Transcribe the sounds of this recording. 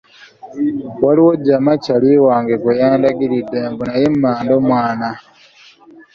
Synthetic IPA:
waliwoɟamacalwiwaːŋɡekujaːndaɡiɾidembunajemmaːndomwaːna

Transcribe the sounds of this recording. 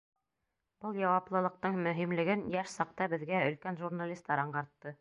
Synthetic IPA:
b̥ɤlˠjɑwɑplˠɤ̆lˠɤ̆q̚t̪ɤɴmɵ̆ɦimlɘ̆ɡɘnjæʃsɑq̚t̪ɑbɘ̆ðɡæɵ̆lkænʒurnalʲist̪ːɑɾɑɴɢɑɾt̪ːɤ

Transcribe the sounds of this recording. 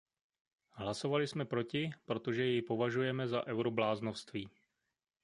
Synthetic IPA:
ɦlaso̞valɪsmɛpɾo̞cɪpɾo̞t̪o̞ʒɛjɛjpo̞vaʒujɛmɛzaʔɛwɾoblaːznofst̪viː

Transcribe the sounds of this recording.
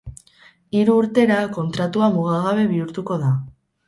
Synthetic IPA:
iɾuːɾt̪e̞ɾako̞nt̪ɾat̪uamuɣaɣaβ̞e̞βiuɾt̪uko̞ða

